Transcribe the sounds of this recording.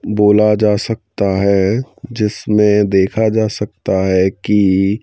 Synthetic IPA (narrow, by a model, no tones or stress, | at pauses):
boːlad͡ʒaːsɐk̚t̪aɦɛd͡ʒɪsmẽd̪eːkʰad͡ʒaːsɐk̚t̪aɦɛki